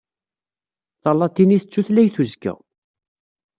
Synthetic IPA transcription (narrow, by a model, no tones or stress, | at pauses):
θɑlːɑt̪ːiniθət͡ʃːuθlæjθuzkə̰ʁ